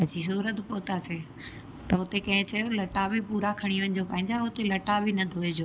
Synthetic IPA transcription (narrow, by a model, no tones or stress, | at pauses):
ɐd͡ʑis̬uːɾət̪poːt̪aːseː | t̪ɐɦʊt̪ekɐ̃ɦɪ̃t͡ɕɐjolɐʈabɪpuːɾakʰɐɽ̃iʋɐnɪ̆d͡ʑoːpɐ̃ɦɪ̃ɲd͡ʑaɦʊt̪elɐʈabʱɪnɐd̪ʱoːed͡ʑoː